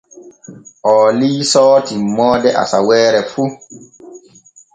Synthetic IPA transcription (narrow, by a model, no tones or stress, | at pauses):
ʔɔːliːsɔːtimːɔːdɛʔa̰sawɛːɾɛfu